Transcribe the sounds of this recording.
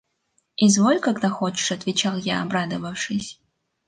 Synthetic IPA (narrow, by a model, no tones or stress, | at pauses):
izvolʲkaɡd̪axot͡ʃɪ̥ʂɐt̪vʲɪt͡ʃalˠjaːbrad̪əvɐfʂɨsʲ